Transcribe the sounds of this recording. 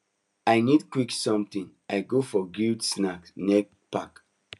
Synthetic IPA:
ajnidkwiksɔ̃mt̪ĩŋ | ajɡofɔɡudsnaknɛk̚ | pak

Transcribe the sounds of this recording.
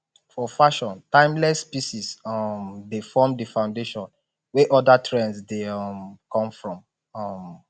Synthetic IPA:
fɔfaʃɔ̃ntãɪ̃mlɛsːpiʃisɔmdefɔmdəfãʊ̃ndeʃɔ̃n | wɛʔɔdatʰɹɛ̃nsdeɔmkɔ̃mfɹɔ̃m | ɔm

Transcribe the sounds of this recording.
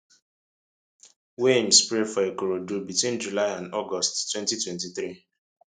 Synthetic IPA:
wem̩spɾefɔekoɾodubitwĩnd͡ʒulaɪãndɔɡɔsttwɛ̃ntitwɛ̃ntiθɾi

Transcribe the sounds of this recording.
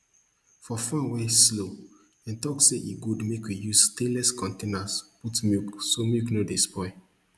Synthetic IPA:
fɔfãweslo | ɛ̃ntɔkseʔiɡudmekwijustelɛskʰɔ̃ntenasputmjiuksomuknodespɔɪ

